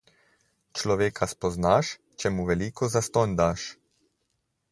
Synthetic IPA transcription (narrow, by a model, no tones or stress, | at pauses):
t͡ʃlɔʋeːkʰaspɔznaʃ | t͡ʃɛmuʋɛliːkɔzast̪ɔnd̪aːʃ